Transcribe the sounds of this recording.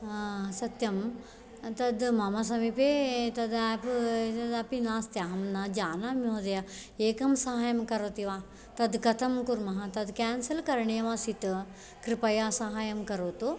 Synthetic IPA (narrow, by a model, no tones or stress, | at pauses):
sɐt̪jɐm | t̪ɐd̪mɐmɐs̬ɐmipet̪ɐd̪aːpt̪ɐd̪ɐpinaːst̪jaːɦɐmnɐd͡ʒaːnaːmjoːd̪ɐjɐeːkɐmsɐɦaːjɐmkɐɾoːt̪iʋaː | t̪ɐd̪kɐt̪ʰɐmkuɾmɐɦɐt̪ɐd̪kæːnsɐlkɐɾɳejɐʋasit̪ | kɾipɐjasɐɦaːjɐmkɐɾoːt̪u